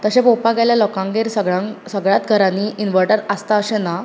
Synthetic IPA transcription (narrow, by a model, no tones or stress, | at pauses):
t̪əɕẽpopaɡaljalɔkãŋɡeɾsəɡɭãsəɡɭjat̪̚ɡʱəɾanːiinʋəɾʈəɾəst̪aəɕẽna